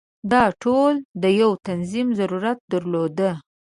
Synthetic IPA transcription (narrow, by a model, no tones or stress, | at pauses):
d̪ɑʈʰold̪əjawt̪anzimzaɾuɾat̪̚d̪əɾlod̪ə